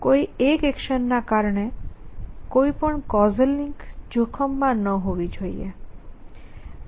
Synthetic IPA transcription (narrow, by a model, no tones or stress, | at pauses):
kojekekʃənːakaɾne | kojpɔɳkɔzelːiŋkd͡ʑokʰɔmːanɔɦobid͡ʑʱojḛ